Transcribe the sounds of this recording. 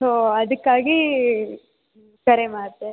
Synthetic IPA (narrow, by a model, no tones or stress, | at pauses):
soːɐd̪ɐkːaːɡi | kɐɾemaːɽt̪ːe